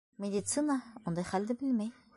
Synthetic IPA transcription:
mid̪it͡sunaond̪eχald̪ebilme

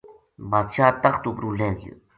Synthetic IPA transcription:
baːd̪ʃaːt̪ɐxt̪upɾuːlẽːɡjə̰

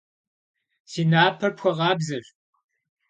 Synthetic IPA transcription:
siːnaːpʰɐpxʷɐʁɑːbzɐɕʼ

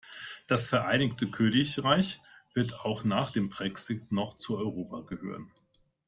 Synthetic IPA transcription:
d̥asfɛɐʔaɪnɪktʰəkʰøːnɪçʁaɪçv̥ɪɐtaʊχnaːχd̥eːmbʁ̥ɛksɪtnɔχt͡suɔʏʁoːpaɡəhø̰ːʁ̞ən

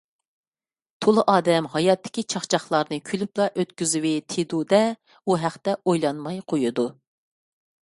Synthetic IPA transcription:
t̪ʰolˠɨʔɑːd̪ɛmɦɑjɑt̪ːɪ̥kʲit͡ʃʰɑχt͡ʃʰɑχlˠɑɾnɨkʲʰylyplˠɑʔøt̪kʲyzywɪt̪ʰed̪ud̪ɛ | uɦæχt̪ɛojlˠɑnmɑjqʰojud̪u

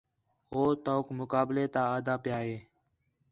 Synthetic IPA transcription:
ɦoːt̪oːkmʊkaːbleːt̪aːaːd̪aːpjaːɦeː

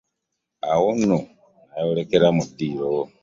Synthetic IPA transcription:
aɣunu | ajolekeɾamudiɾo

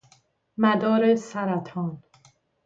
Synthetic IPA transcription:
mæd̪ɒːɾesæɾæt̪ʰɒːn

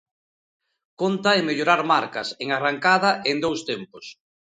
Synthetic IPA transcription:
kont̪ɐemeʎoɾaɾmaɾkɐseŋaraŋkað̞ɐʔend̪owst̪empos

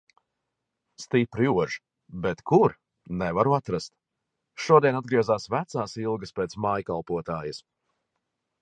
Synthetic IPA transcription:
st̪ipɾuɔʒ | bet̪kuɾ | nɛvaɾuat̪ɾast̪̚ | ʃuɔd̪ʲiɛnad̪ɡɾiɛzaːsvæt̪saːsilˠɡɐspeːt̪smaːjkalˠpuɔt̪aːjɐs

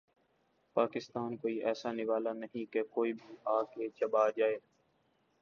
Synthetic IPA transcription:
paːkɪst̪aːnkoːiʔɛːsanɪʋaːlanəɦĩkekoːibʱiːaːket͡ʃəbaːd͡ʒaːeː

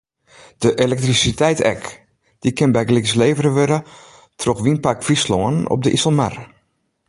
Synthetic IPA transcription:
d̥əʔelɛk̚trisitʰɛjtɛ̰k | d̥ikɪnbɛjɡliksleːvəɾəʋøɾə | tʰroxʋinpakfisloənɔ̰pb̚dəʔisəlˠma̰r

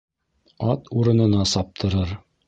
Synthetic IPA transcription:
ɑt̪uɾɤ̆nɤ̆nɑsɑp̚t̪ʰɤ̆ɾɤɾ

